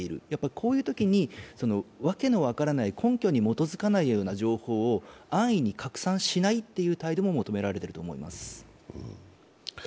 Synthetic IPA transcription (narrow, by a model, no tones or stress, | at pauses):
eiɾɯ̟̰japːaɾʲi̥kʰo̞ːjɯ̟ːt̪o̞kʲiɲ̟iso̞no̞βake̞no̞βakaɾanaikʰõ̞ŋkʲo̞ɲ̟imo̞t̪o̞zɨkanaijo̞ːnaʑo̞ːho̞ːoãɰ̃iɲ̟ikʰakɯ̟̥sãɰ̃ɕinait̪ːe̞jɯ̟ːt̪aid̪o̞mo̞mo̞t̪o̞me̞ɾaɾe̞t̪e̞ɾɯ̟t̪o̞ːmo̞̰ḭma̰sɨ̥